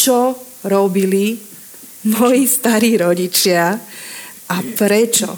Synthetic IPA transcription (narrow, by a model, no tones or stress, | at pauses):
t͡ʃɔ | ɾɔbili | mɔjist̪aɾiːɾɔɟit͡ʃɪa | ʔapɾɛt͡ʃɔ̰